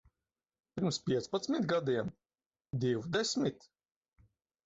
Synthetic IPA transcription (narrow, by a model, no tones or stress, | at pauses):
piɾmspʲiɛspat̪smit̪ɡad̪iɛm | d̪iwd̪ɛsmit̪